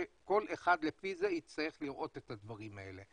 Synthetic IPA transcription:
eko̞lʔeχad̪lefizejit͡st̪aje̞χliʁʔo̞t̪et̪ad̪vaʁimae̞̰le

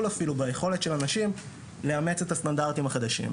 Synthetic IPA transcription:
lafilubaje̞χo̞letʃe̞lanaʃim | leame̞t͡se̞tastandaʁt̪imaχad̪aʃḭm

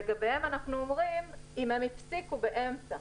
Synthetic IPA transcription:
eɡabehemanaχnuomʁimimhemifsikube̞ʔe̞mt͡sa

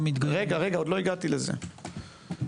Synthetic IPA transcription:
mit̪ɡaʁe̞ɡaʁe̞ɡao̞d̪loiɡat̪ilezḛ

